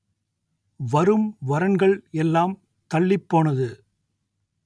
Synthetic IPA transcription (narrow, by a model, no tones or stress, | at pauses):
ʋɐɾɯmʋɐɾɐnɡɐɭɛlːaːm | t̪ɐɭːɪpːoːnɐðɯ